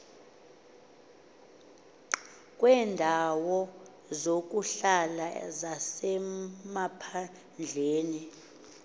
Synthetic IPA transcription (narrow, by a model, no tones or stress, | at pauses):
kʼwɛːndʱawɔ | zok̬ʼuɬalazasɛmapʰa | nd͡ɮʱeːni